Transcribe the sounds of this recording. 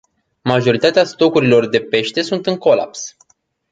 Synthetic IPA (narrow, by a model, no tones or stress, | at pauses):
maʒo̞ɾit̪at̪east̪o̞kuɾilo̞rd̪e̞pe̞ʃt̪e̞sunt̪ɨŋko̞la̰ps